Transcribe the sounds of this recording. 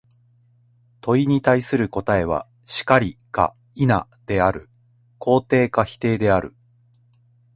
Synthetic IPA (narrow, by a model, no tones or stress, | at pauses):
t̪o̞iɲ̟it̪aisɨɾɯ̟ko̞t̪ae̞β̞a̰ | ɕi̥kaɾʲika̰ | ina̰d̪̥e̞aɾɯ̟̰ | kʰo̞ːt̪e̞ːkaçi̥t̪e̞ːd̪e̞aɾɯ̟̰